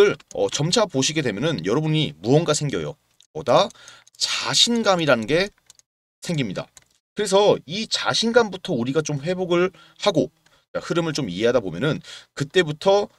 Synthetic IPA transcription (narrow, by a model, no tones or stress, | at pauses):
ɯɭʌ̰t͡ɕʌmt͡ɕʰapoɕʰiɡe̞dwe̞mjʌnɯnjʌɾʌbuɲimuʌnɡasʰe̞ŋɡjʌ̰jo̰ | pʌda | t͡ɕaɕʰinɡamiɾanɯnɡe̞ | sʰe̞ŋɡimɲida̰ | kɯɾe̞s̬ʰʌit͡ɕaɕʰinɡambutʰʌuɾiɡat͡ɕomɸwe̞boɡɯɭ | haɡo | t͡ɕahɯɾɯmɯɭt͡ɕomiɦe̞ɦadabomjʌnɯnkɯt͈e̞butʰʌ